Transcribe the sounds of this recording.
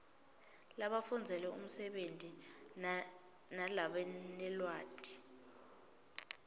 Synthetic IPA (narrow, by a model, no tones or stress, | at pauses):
laɓafund͡zʱɛlɛṵm̩sɛɓentʼi | nalaɓɛnɛlwaːdʼʱi̥